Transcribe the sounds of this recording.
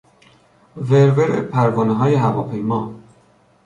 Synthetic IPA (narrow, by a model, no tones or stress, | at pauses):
veɾveɾḛpʰæɾvɒːneɦɒːjeɦævɒːpʰejmɒː